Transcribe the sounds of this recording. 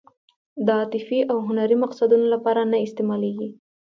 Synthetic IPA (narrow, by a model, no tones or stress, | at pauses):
d̪əɑt̪ɪfiʔawɦʊnaɾimaqsad̪unolapɑɾanaɪst̪emɑleɡi